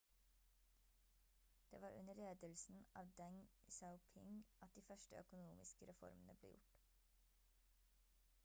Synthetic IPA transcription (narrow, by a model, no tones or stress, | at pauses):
d̪̥ḛːʋɑːɾʔʉ̰nəɭeːd̪əlsn̩ʔɑːʋd̪ɛŋsaʊpʰɪŋʔɑt̪̚d̪iːfœʃʈəœ̰kʊnuːmɪskəɾɛfɔ̰ɾmənəblḛːjʊ̰ʈ